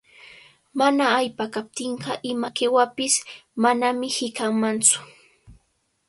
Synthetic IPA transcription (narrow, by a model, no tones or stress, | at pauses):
manaːjpakap̚t̪ɪɴɢɑʔɪmakewapɪsmanamɪhɪkaŋmant͡sʊ̥